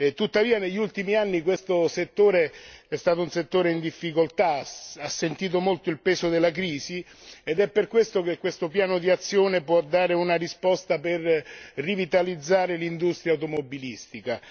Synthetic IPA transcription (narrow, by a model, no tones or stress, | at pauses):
t̪ut̪ːaviːaneʎːult̪imianːikwest̪oset̪ːoːɾeɛst̪aːt̪ounset̪ːoːɾeind̪ifːikolt̪aasːent̪iːt̪̬omolt̪oilpɛːsod̪elːakɾiːsi | ed̪ɛpːerkwest̪ok̟ekːwest̪opjaːnod̪iat̪sːjoːnepwɔd̪ːaːɾeunaɾispɔst̪aperrivit̪alid̪zːaːɾelind̪ust̪ɾjauwt̪omobːilist̪ika